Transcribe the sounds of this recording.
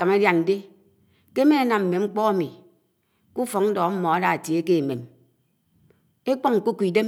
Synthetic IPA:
a˨ma˦dja˨n̩˨de˦ | ke˦me˦a˨na˨mm̩˨me˨ŋ͡m̩˦k͡pɔ˦a˦mi˨ | ku˦fɔ˨ŋn̩˦dɔ˨˦m̩˦mɔ˨a˦da˨a˨tje˨˦ke˦e˨me˨m | e˦k͡pɔ˦ŋŋ̩˨ku˦ku˨i˨de˦m

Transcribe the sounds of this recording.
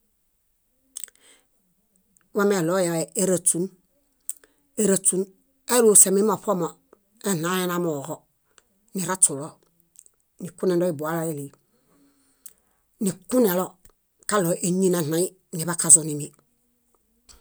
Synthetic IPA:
wa˦me˨lo˦ja˨e˨e˦ɾa˨tu˦n | e˦ɾa˨tu˦n | e˦ɾu˦˨se˨mi˦mo˨po˦mo˨ | e˦na˨˦e˦na˦mo˨ɣo˦ | ni˨ɾa˦tu˨lo˦ | ni˨ku˦ne˨ndo˦i˦bu˨a˨˦la˦e˦li˨ | ni˨ku˦ne˨lo˦ | ka˦lo˨ʔe˦ɲi˦na˨na˨˦i˦ | ni˨βa˦ka˨zu˨ni˨mi˨

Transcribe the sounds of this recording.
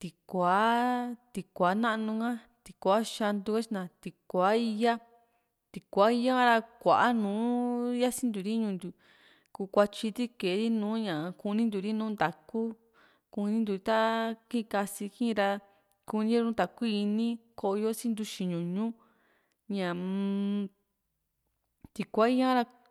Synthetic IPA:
t̪i˨kʷa˨˦t̪i˧kʷa˨˦nã˦ʔnũ˧ŋã˦ | t̪i˨˧kʷa˨˦ʃa˧nd̪u˧ka˦t͡ʃi˧nã˧˨t̪i˨kʷa˨˦i˧ja˦ | t̪i˧kʷa˨˦i˧ja˦ŋã˦ɾa˧kʷa̰˨ʔa˦nũː˨˦ja˦sĩ˦nd̪u˨ɾi˦ɲũ˧nd̪u˨ | kuː˧kʷa˧t͡ʃi˧t̪i˦ke˨˦ɾi˦nũː˨˦ɲã˨˧ku˧nĩ˦nd̪u˨ɾi˦nũ˦nd̪a˨ku˦ | ku˧nĩ˦nd̪u˨˧i˧˦t̪a˦kĩ˦˧ka˧si˧kĩ˦˧ɾa˧ | ku˧nĩ˦˧ũ˦nd̪a˨ku˦i˧nĩ˦ko˧ʔjo˦sĩ˦nd̪u˧ʃi˧ɲũ˨ɲũ˦ | ɲã˨ | t̪i˨kʷa˨˦i˦jã˦ɾa˧

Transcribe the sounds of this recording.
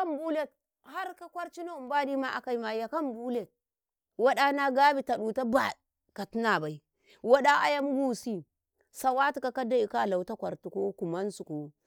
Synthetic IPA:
a˦mbu˦le˦˨t̚ | ha˦ɾka˦kʷa˦ɾt͡ʃi˦no˦u˨mba˦di˦ma˦ʔa̰˨ka˨i˦ma˨ja˨ka˦mbu˦le˨t̚ | wa˦ɗa˦na˦ɡa˦bi˦ta˨ɗu˨ta˦ba˨ | ka˨ti˦na˨ba˨i˦ | wa˦ɗa˦ʔa̰˦ja˦mu˦ɡu˦˨si˦ | sa˨wa˦ti˨ka˨ka˦da˦i˨ka˦˨la˨wta˦kʷa˨ɾtu˨ko˦ku˨ma˦nsu˨ko˨

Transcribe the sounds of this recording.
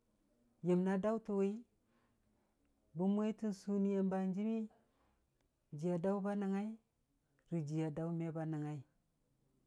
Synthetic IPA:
je˨mna˦da˦wtu˨we˦i˦ | bu˦mʷ˦e˦i˦ti˦nsu˦ni˦je˦mba˨nd͡ʒi˦mi˦ | d͡ʒi˨ja˨da˦u˦ba˦na˨ŋa˦i˦ | ɾi˨d͡ʒi˨ja˨da˦u˦me˦ba˦na˨ŋa˦i˦

